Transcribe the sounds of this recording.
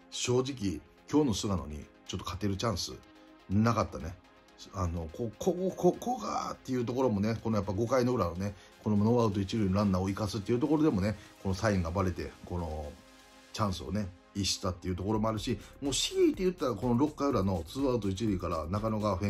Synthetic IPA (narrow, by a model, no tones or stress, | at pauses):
ɕo̞ːʑik̬ʲi | kʲo̞ːno̞sɨɡano̞̰ɲ̟ḭ | t͡ɕo̞t̪ːokʰat̪e̞ɾɯ̟t͡ɕãɰ̃sɨ̰ | nakat̪ːane̞ | ano̞kokʰokokoɡa̰t̪ːe̞jɯt̪̬o̞ko̞ɾo̞mo̞ne̞ko̞nojapːaiɡo̞kaino̞ɡɯɾanone̞ | ko̞nomanoβaɯ̟t̪oit͡ɕiɾɯ̟inoɾãnːaoikasɨt̪ːeiɯ̟t̪o̞ko̞ɾo̞d̪e̞mo̞ne̞ko̞no̞saĩŋɡaːbaɾe̞t̪e̞̰ko̞no̞ | t͡ɕãɰ̃sɨo̞̰ne̞ | iɕi̥t̪at̪ːe̞jiɯ̟t̪o̞ko̞ɾo̞mo̞aɾɯ̟ɕimo̞ːɕiit̪ːe̞jɯ̟t̪ːaɾako̞no̞ɾo̞kːaɯ̟ɾano̞t͡sɨːaɯt̪o̞it͡ɕiɾɯ̟ikaɾanakanoɡaɸẽ